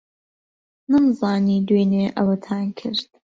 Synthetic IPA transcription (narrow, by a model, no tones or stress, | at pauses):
nɨmzɑːniːd̪weneʔɐwɐt̪ʰaːnkʰɨ̰ɾt̪̚